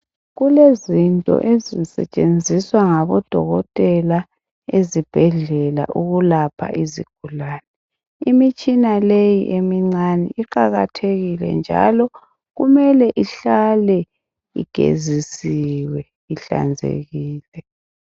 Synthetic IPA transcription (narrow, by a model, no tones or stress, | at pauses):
ɣulezintʼɔ̰ʔezisɛ̰t͡ʃʼend͡zʱiswaŋaβɔd̥ʱɔ̰ɣɔtʼɛla | ezib̥ʱɛɮɛla̰ʔuɣulapʰa̰ʔizḭɡ̥ʱulaːnɛ | imit͡ʃʼinalejiʔemiŋ͡ǀanɛ̰iǃaɣatʰeɣilɛ̰nd͡ʒʱa̰lɔ | ɣumɛlɛʔiɬalɛ | ḭɡ̥ʱḛzisiwɛ | iɬa̰nd͡zʱḛɣiːlɛ